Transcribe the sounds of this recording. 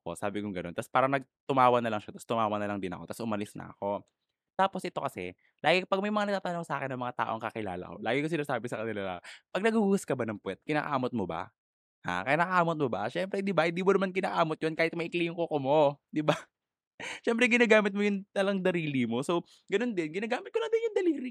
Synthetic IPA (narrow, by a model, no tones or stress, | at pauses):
ɐkosaːbɪkʊŋɡɐnont̪ɐspaːɾɐnɐɡ̚t̪ʊmaːwɐnɐlɐŋʃat̪ɐst̪ʊmaːwɐnɐlɐŋd̪ɪnɐ̰ko̞t̪ɐsʊmɐlɪsnɐ̰ɐ̰ko̞ | t̪aːposʔɪt̪o̞kɐsɛ̰ | laːɡɪkpɐɡ̚mɐjmɐŋanɐɡ̪̚aːt̪ɐnoŋsɐʔaːkɪnːɐŋmɐŋat̪a̰ːʔoɐŋkɐkɪla̰ːlɐ̰ko̞̰laːɡɪkosɪnaːsaːbɪsɐkɐnɪlala̰pɐɡ̚nɐɡuhuːɡɐskɐbanɐŋpwɛt̪̚kɪna̰ːʔa̰ːmot̪̚moba̰ | ha̰kɐɪnaːʔɐʔaːmot̪̚moba̰ʃɛmpɾɛd̪ɪbahɪnd̪iːmʊnɐmankɪna̰ːʔaːmot̪̚jonkaːhɪt̪mɐʔɪkliːjŋkokomod̪ɪba | ʃɛmp̬ɾɛɡɪnaːɡaːmɪt̪̚mojʊŋt̪ɐlɐŋd̪ɐɾiːlimo̞sow | ɡɐno̞nd̪ɪnɡɪnaːɡaːmɪt̪̚kolɐd̪ɪnjʊŋd̪ɐliːɾɪ